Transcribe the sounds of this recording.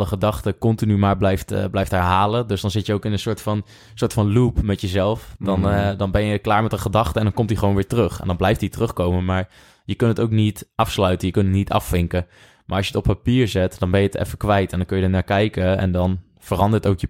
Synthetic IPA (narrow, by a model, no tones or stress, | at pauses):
dəχədɑχtəkɔntinymaːɹblɛjftblɛjftɦɛɹɦaːlədɵsdɑnzɪtjəowkɪnənsʊːɹtfɑn | sʊːɹtfɑnlupmɛtjəzɛlˠfdɑndɑnbɛnjəklaːɹmɛtəχədɑχtəɛndɑnkɔmtiχəʋownʋɪːɹtərɵχɛ̰ndɑnblɛjftitərɵχkowmənmaːɹ | jəkɵntətowknitʔɑfslœɥtənjəkɵntətnitɑ̰fːɪŋkə | ma̰ːɹɑsjətɔppapiːɹzɛtdɑnbɛnjəətɛ̰fəkʋɛjtɛndɑnŋkɵjədənaːɹkɛjkəɛ̰ndɑn | vərɑndəɹtowkjə